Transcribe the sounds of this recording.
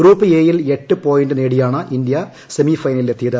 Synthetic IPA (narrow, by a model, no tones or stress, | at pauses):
ɡɾuːpːɨeːjile̞ʈːɨpo̞ːjinɖɨneːɽijaːɳɨʔind̪ijɐ | semifɐjnɐlilet̪ːijɐðɨ